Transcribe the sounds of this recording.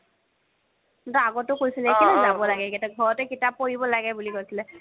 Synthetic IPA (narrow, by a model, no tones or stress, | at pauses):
tɔaɡɔtʊkojsilɛkinɛzabɔlaɡɛkɛtɛɡʱɔɹɔtɛkitap̚ːoɹibɔlaɡɛbulikojsilɛ